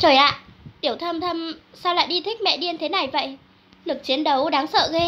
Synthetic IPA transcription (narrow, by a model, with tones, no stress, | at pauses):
t͡ɕəː˨˩jʔa̰ː˧˨ɗi˧˩əwt̪ʰə˧mt̪ʰə˧msaː˧wla̰ː˧˨jɗi˧t̪ʰï˦˥k̟̚mɛ̰˧˨ɗi˧ənt̪ʰe˨˦na˨˩jvə̰˧˨j | lɨ˨˩k̚t͡ɕi˨˦ənɗə˨˦wɗaː˨˦ŋsə̰ː˧˨ɣe˧